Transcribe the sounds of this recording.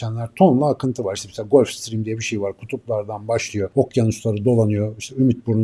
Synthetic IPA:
ænlʲæɾt̪ʰo̞nlˠaːkʰɯnt̪ʰɯvaɾiʃt̪ɛisɛlʲaɡo̞lʲfst̪ɾimd̪ijɛbiʃe̞jivaɾkʰu̥t̪ʰuplˠaɾd̪anbaʃlˠɯjo̞okjanuslˠaɾɯd̪o̞lˠanɯjo̞iʃt̪ʰɛymyt̪̚buɾn

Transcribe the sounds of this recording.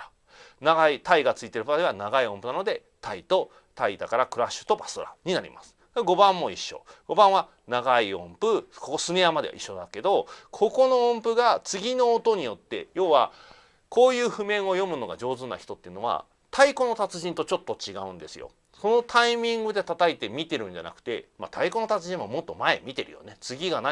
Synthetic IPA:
naɡait̪aiɡat͡sɨit̪e̞ɾɯ̟pat̪aɾʲiβanaɡaiõ̞mpɯnano̞d̪e̞ | t̪ʰait̪o̞ | t̪aid̪akaɾakɯ̟ɾaɕːɯ̥t̪o̞basɨɾa̰ɲ̟inaɾʲḭmasɨ̥d̪eɡo̞bãmːo̞iɕːo̰ɡ̥o̞bãɰ̃a | naɡaiõ̞mpɯ̟kokosɨne̞jamad̪e̞a̰ʔiɕːo̞d̪ake̞d̪o̞kʰo̞ko̞no̞õmpɯ̟ɡat͡sɨɡʲino̞ːt̪o̞ɲ̟ijo̞t̪ːe̞̰jo̞ːβa | kʰo̞ːjɯ̟ːɸɯ̟mẽ̞ɰ̃o̞jo̞mɯ̟no̞ɡa̰d͡ʑo̞ːzɨna̰çʲi̥t̪o̞t̪ːeɯ̟no̞β̞a̰ | t̪ʰaiko̞no̞t̪at͡sɨʑĩnt̪o̞t͡ɕo̞t̪ːo̞t͡ɕiɡaɯ̟̃nd̪e̞sɨjo̞̰ | so̞no̞t̪ʰaimʲĩŋɡɯ̟d̪e̞t̪at̪ait̪e̞mʲit̪e̞ɾɯ̟̃ɲ̟d͡ʑa̰na̰kɯ̟̥t̪e̞̰ma̰t̪ʰaikono̞t̪at͡sɨʑĩɰ̃amo̞t̪ːo̞mae̞̰mʲit̪e̞ɾɯ̟jo̞̰ne̞t͡sɨɡʲiɡana

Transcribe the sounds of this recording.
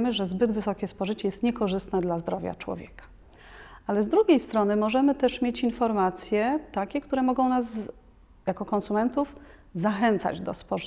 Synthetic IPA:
mɘʐɛzbɘd̪vɘsɔkʲɛspɔʐɘt͡ɕɛjɛst̪ɲɛkɔʐɘst̪nɛd̪lazd̪ɾɔvʲja̰t͡ʂwɔ̰vʲjɛkḁ | alɛzd̪ɾuɡʲejst̪ɾɔnɘmɔʐɛmɘt̪ɛʂmʲjet͡ɕinfɔɾmat̪sʲjɛt̪akʲɛkt̪uɾɛmɔɡɔ̃w̃naz | jakɔkɔnsumɛnt̪uf | zaxɛnt̪sa̰d͡ʑd̪ɔ̰spɔʐ

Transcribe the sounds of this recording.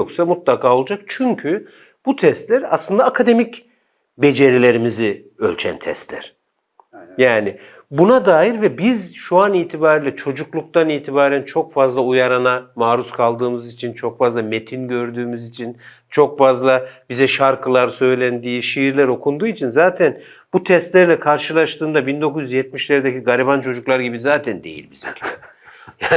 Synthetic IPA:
oksamut̪lˠakʰaːo̞lˠud͡ʒak̚t͡ʃʰyɲcʰy | b̥ut̪ʰɛst̪lʲæɾa̰slˠɯnd̪aːkʰad̪e̞mic | be̞d͡ʒe̞ɾilʲe̞ɾimizi | ø̰lʲt͡ʃʰæ̰nt̪ʰɛ̰st̪lʲæ̰ɾ̥ | jaːnɪ | bunad̪aːjiɾvɛbizʃuaniːt̪ʰibaːɾilʲɛt͡ʃʰo̞d͡ʒuklˠuk̚t̪ʰaniːt̪ʰibaːɾænt͡ʃʰo̞kfazlˠaujaɾanamaːɾuskʰalˠd̪ɯːmɯzit͡ʃʰint͡ʃʰo̞kfazlˠamet̪ʰinɟø̞ɾd̪yːmizit͡ʃʰin | t͡ʃʰo̞kfazlˠabizɛʃaɾkʰɯlˠaɾsø̞jlʲænd̪iːʃijiɾlʲæɾo̞kʰund̪uːit͡ʃʰinzaːt̪ʰæn | b̥ut̪ʰɛst̪lʲæɾlʲɛkʰaɾʃɯlˠaʃt̪ʰɯːnd̪abind̪o̞kʰuzjyzjɛt̪̚miʃlʲeɾid̪eciɡaɾibant͡ʃʰo̞d͡ʒuklˠaɾɟibizaːt̪ʰænd̪ejḭlʲbizɛ | jaː

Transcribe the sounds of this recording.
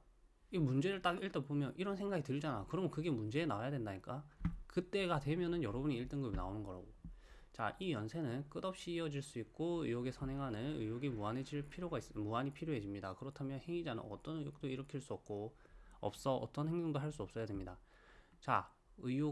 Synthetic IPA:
imund͡ʑe̞ɾɯɭt͈akiɭt͈ʰepomjʌnʔiɾʌnsʰe̞ŋɡaɡitɯɾid͡ʑanakɯɾʌmnkɯɡe̞mund͡ʑe̞ːnawajadwe̞ndaɲik͈akɯt͈e̞ɡadwe̞mjʌnɯnjʌɾʌbuɲiːɭt͈ɯŋɡɯbina̰onɯnɡʌɾa̰ɡo | t͡ɕa̰ʔijʌnsʰe̞nɯnk͈ɯdʌp̚ɕ͈iːʌd͡ʑiɭs͈uik̚k͈oɯ̰joɡe̞sʰʌnɦe̞ŋɦanɯnɯ̰joɡimuaned͡ʑiɭpʰiɾjoɡais͈ɯmuaɲipʰiɾjoɦe̞d͡ʑimɲida̰kɯɾʌtʰamjʌnheŋid͡ʑanɯ̰nʌ̰t͈ʌnɯjok̚t͈oiɾʌkʰiɭs͈uʌp̚k͈o | ʌ̰p̚s͈ʌʔʌ̰t͈ʌnheŋdoŋdoɦaɭs̬͈uʌp̚s͈ʌjademɲida | t͡ɕa | ɯjo

